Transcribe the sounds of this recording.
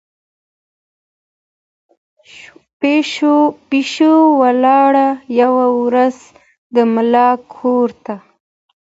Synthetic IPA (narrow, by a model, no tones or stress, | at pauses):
peʃopiʃowalɑɽajawawɾaz | d̪əmɪlɑkʰoɾt̪a